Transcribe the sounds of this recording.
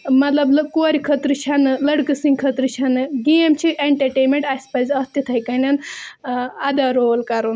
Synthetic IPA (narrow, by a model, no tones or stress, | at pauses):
mɐt̪lɐblɐkoːɾʲikʰɐt̪ɾɨt͡ʃʰɐnɨlɐɽkɨsɨŋɡkʰɐt̪ɾɨt͡ʃʰɐnɨɡijɐmt͡ʃʰiʔeɳʈɐɾʈeːmẽɳʈɐsʲpɐzɐst̪it̪ʰɐjkɐnɐn | ɐd̪aːɾoːlkɐɾun